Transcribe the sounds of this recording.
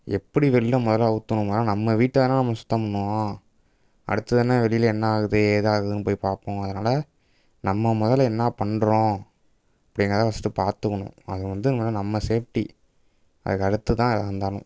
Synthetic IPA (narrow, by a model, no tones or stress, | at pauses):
ɛpːɐɽiʋɛɭɪlɐ̃mʊðɐlɐɯt̪ːɐɳʊ̃mɐðːnɐmːɐʋiːʈːɐðɐnːãːnɐmːɐsʊ̥t̪ːɐmɐɳːɯ̃ | ɐ̰ɽɯt̪ːɐðɐnːaʋɛɭɪjɪlɛnːɐaːɣɯðɯeðɯaːɣɯðɯnːɯp̬oːjpaːɾpõːɐðɐnaːlɐ | nɐmːɐmʊðɐlɛnːaːpɐɳɖɾõː | ɐpːɐɽɪŋɡɾɐt̪ãːʋɐsɯ̥ʈːɯpaːɾt̪ɯkːɐɳʊ̰̃ɐ̰ðɯʋɐnd̪ɯnɐaːlɐnɐmːɐseːfʈi | ɐ̰ðɯkːɐɽɯt̪ːɯt̪ãːðɐɐnd̪aːnʊ̰̃